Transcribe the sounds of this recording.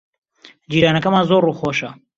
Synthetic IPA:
d͡ʒiːɾaːnɐkɐmaːnzoruːxoːʃɐ

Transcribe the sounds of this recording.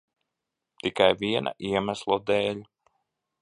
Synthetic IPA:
t̪ikajviɛna̰ʔiɛmæslˠɔd̪ɛːlʲ

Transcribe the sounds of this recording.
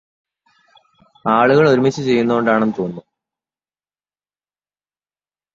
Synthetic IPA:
aːɭuɣɐɭoɾumit͡ɕːɨt͡ɕe̞jːunːuɣo̞ɳɖaːɳenːɨt̪o̞ːnːu

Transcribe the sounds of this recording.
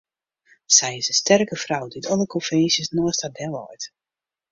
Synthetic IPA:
sɛjɪsdəstɛrkəfrawditɔlˠəkɔnfɛnsjəsnɔəstadɛlˠɔ̰jt

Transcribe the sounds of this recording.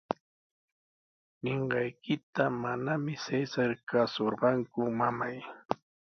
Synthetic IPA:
neɴɢɑjkɪt̪amanamɪsesaɾkasoɾɢɑŋkʊmamaj

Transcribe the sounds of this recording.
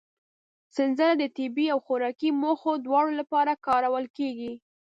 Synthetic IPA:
sɪnzəɾad̪ət̪ɪbiawxʊɾɑkimoxod̪wɑɽolapɑɾakɑɾawəlkeɡi

